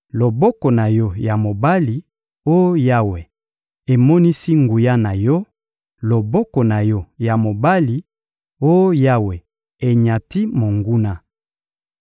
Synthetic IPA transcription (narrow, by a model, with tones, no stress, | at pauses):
lo˨bɔ˦kɔ˨na˨jɔ˦ja˨mo˨ba˦li˨ | o˦ja˦we˨ | e˨mɔ˦ni˦si˦ŋɡu˨ja˦na˨jɔ˦ | lo˨bɔ˦kɔ˨na˨jɔ˦ja˨mo˨ba˦li˨ | o˦jja˦we˨ | e˨ɲa˨ti˦mo˨ŋɡu˦na˦